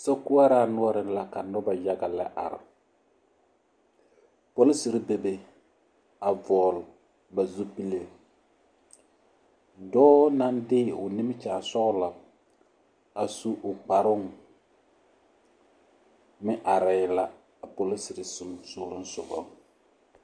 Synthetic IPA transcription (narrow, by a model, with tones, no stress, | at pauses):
sa˦kʊ˦wa˦ɾaː˦˨nʊ˦ɔ˦ɾɪ˨n˦la˦ka˨nɔ˦ba˨ja˦ɡa˨la˦ʔa̰˨ɾɪ̰˨ | po˦lɪ˦si˨ɾɪ˦be˨be˦ | a˨vɔː˨lʊ˨ | ba˨zu˦pi˦le˨ | dɔː˦na˦n˦dɪ˦˨ʊ˨nɪ˦mɪ˦t͡ʃa˨sɔ˦ɣʊ˦la˨ | a˨su˦ʔʊ˨k͡pa˨ɾʊ˦ŋ˨ | mɪ˦ʔa˨ɾɪ˨˦la˦˨ | po˨lɪ˦si˨ɾɪ˨sʊ˦msʊ˦ɾɪ˦n˦sʊ˨ba̰˦˨